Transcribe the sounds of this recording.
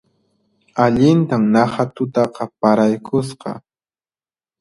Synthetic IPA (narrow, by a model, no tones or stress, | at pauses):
aʎɪnt̪amnɑhat̪ʊt̪ɑqɑpaɾajkʰʊsqɑ̰